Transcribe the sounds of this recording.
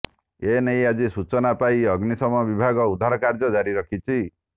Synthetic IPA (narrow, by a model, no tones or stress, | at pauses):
enejad͡ʒisut͡ʃɔnapaiɔɡnisɔmɔbibʱaɡɔud̪ʱaɾɔkaɾd͡ʒɔd͡ʒaɾiɾɔkʰit͡ʃʰi